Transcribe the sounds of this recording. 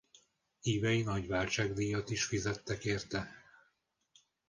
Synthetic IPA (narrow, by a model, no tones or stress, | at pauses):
iːvɛjinɒɟʋaːlt͡ʃaːɡd̪iːjɒt̪iʃfizɛt̪ːɛkeːrt̪ɛ